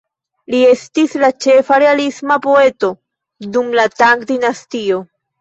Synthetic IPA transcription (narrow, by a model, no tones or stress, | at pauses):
lie̞stislat͡ʃe̞faɾe̞alismapo̞e̞to̞ | dumlataŋkdinastio̞